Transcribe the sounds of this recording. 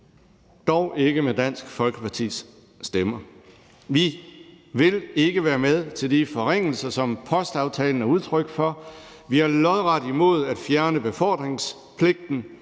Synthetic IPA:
d̥ɒʊʔe̝ɡ̥əmed̥æn̰sɡ̥fɒ̽lɡ̥əpʰɑ̈t͡sʰḭsː | d̥emɐ | ʋi | ʋe̝le̝ɡ̥əʋæːɐmeð̞ˠt͡sʰe̝ld̥ifɒ̽ʁeŋ̰l̩sɐsɒ̽mpʰɒ̽sd̥ɑ̈ʊt͡sʰɛːln̩æɐuð̞ˠt͡sʰʁœɡ̥fɒ̽ | ʋiæɐlɒ̽ðˠʁɑd̥imo̝ð̞̰ˠæd̥fjæɐnəb̥e̝fɒ̰ːd̥ʁeŋs | pʰle̝ɡ̥̚d̥n̩

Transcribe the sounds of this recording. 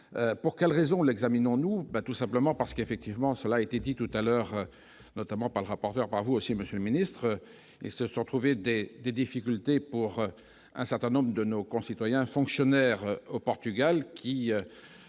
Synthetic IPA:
øpuʁkʲɛlʁezɔ̃lɛɡzaminɔ̃nubat̪usɛ̃pləmɑ̃paʁsə̥kefɛk̚t̪ivmɑ̃səlaːet̪ed̪it̪ut̪alœʁ | nɔt̪amɑ̃paʁləʁapɔʁt̪œʁpaʁvuosiməsjøləminist̪χə | ḭlsəsɔ̃t̪χuved̪ed̪ed̪ifikʲylt̪epuʁ | ɛ̰̃sɛʁt̪ɛ̃nɔ̃bʁəd̪ənokɔ̃sit̪wajɛ̃fɔ̃ksjɔnɛʁopɔʁt̪yɡalkʲʰiø

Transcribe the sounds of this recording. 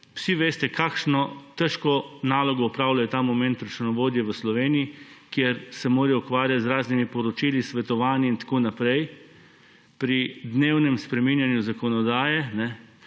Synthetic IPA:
wsiʋeːst̪ɛkaːkʃnɔt̪ɛʃkɔnaːlɔɡɔupɾaːwlajɛt̪aːmɔmɛ̃nt̪ɾɐt͡ʃɛnɔʋoːd̪jɛʋəslɔʋeːniikjeɾsɛmoːɾjɛukʋaːɾjat̪zɾaːznimipɔɾɔt͡ʃiːlisʋɛt̪ɔʋaːniint̪ḁkoːnapɾɛj | pɾid̪neːwnɛmspɾɛminjanjuzakɔnɔd̪aːjɛnɛ

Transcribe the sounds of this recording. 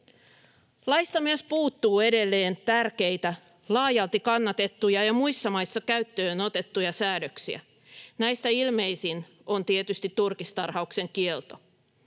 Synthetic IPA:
lɑjst̪ɑmiespuːt̪ːuːe̞de̞lːe̞ːnt̪ærk̟e̞jt̪æ | lɑːjɑlt̪ikɑnːɑt̪e̞t̪ːujɑjɑmuijsːɑmɑjsːɑkæyt̪ːøːno̞t̪e̞t̪ːujɑsæːdøksiæ̰ | næjst̪æilme̞jsin | o̞nt̪iet̪yst̪it̪ːurkist̪ɑrhɑukse̞ŋkielt̪o̞

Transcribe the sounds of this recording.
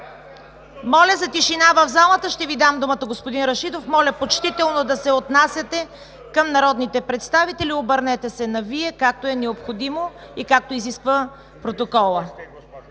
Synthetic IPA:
mɔlʲɐzɐt̪iʃinavɐvzalˠət̪əʃt̪ɛvid̪amd̪umət̪ɐɡospod̪inɾɐʃid̪ofmɔlʲɐpot͡ʃt̪it̪ɛlˠnod̪ɐsɛot̪nasʲjɐt̪ɛ | kəmnɐɾɔd̪nit̪ɛpɾɛt̪st̪avit̪ɛlʲiobəɾnɛt̪ɛsɛnɐviɛkak̚t̪oɛnɛopxod̪imo | ikak̚t̪oiziskvə | pɾot̪okɔlˠə

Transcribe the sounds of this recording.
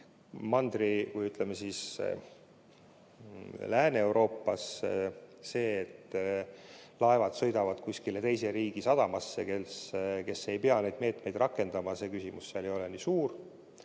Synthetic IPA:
mɑnd̪rikujyt̪ˑlemesis | læːneewɾo̞ːpːˑɑs | se̞ːet̪ː | lɑe̞vɑd̪sɤ̞jd̪ɑvɑd̪̥kusʲkilet̪e̞jse̞ɾiːɡ̥isɑd̪̥ɑmɑsːe̞ke̞ske̞sːe̞jpeɑne̞jd̪̥̚me̞ːt̪me̞jd̪̥rʔɑkːˑe̞nd̪̥ɑmɑse̞ːkysʲimusːeɑlejo̞lenisuːɾ

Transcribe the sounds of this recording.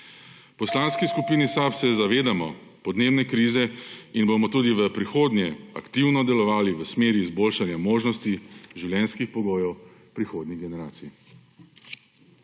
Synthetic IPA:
pɔslanskiskupiːnisapsɛzaʋeːd̪amɔ | pɔd̪neːbnɛkɾiːzɛinbomɔt̪uːd̪iʋəpɾixoːd̪njɛa̰kt̪iwnɔd̪ɛlɔʋaːliʋəsmeːɾiːzboːlʃanjamoːʒnɔst̪iʒiwljɛnskixpɔɡoːjɛw | pɾixoːd̪niɣɡɛnɛɾaːt̪sii

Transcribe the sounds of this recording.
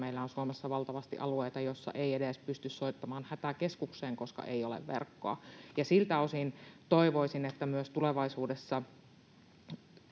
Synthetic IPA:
meilːæonsuomesːɑʋɑlt̪ɑʋɑst̪ḭʔɑlueit̪ɑjosːɑ̰ʔeiedespyst̪yssoit̪ːɑmɑːnhæt̪æke̞skukseːŋko̞skɑ̰ʔeijolḛʋʋḛrkːoɑ̰jɑsilt̪æosint̪oiʋoisinet̪ːæmyøst̪uleʋɑisuːdesːɑ

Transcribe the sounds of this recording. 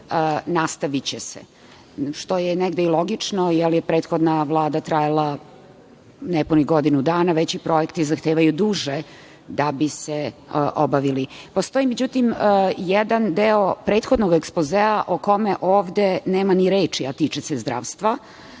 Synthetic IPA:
nast̪aʋit͡ɕesḛ | ʂt̪ojeneɡd̪eilˠo̞ɡit͡ʂnojɛljepɾeːt̪xo̞d̪naʋlˠaːd̪at̪ɾajalˠa | nɛpuniɡod̪inud̪aːnaʋet͡ɕipɾo̞jekt̪izaxt̪eːʋajud̪uːʒe | d̪abiseʔobaʋilipost̪o̞imed͡ʑut̪imjɛd̪and̪eo̞pɾe̞ːt̪xod̪noɡekspozeaʔoko̞meʔoːʋd̪eneːmaniɾeːt͡ʂiat̪iːt͡ʂesezd̪ɾa̰ːʋst̪ʋa

